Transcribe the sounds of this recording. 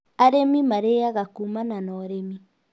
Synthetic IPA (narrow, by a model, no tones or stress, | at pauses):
aɾemimaɾeaɣakumananɔɾemi